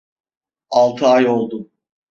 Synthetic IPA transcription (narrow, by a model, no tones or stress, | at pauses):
alˠt̪ʰɯajo̞lˠd̪ʊ